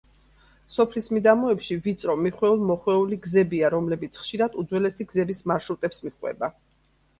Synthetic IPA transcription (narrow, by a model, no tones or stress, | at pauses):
sɔpʰlismid̪amɔɛpʃivit̪sʼɾɔmiχwɛulˠmɔχwɛuliɡzɛbiaɾɔmlɛbit̪sʰχʃiɾad̪̥ud̪zwɛlɛsiɡzɛbismaɾʃɾut̪ʼɛpsmiχwɛ̰ba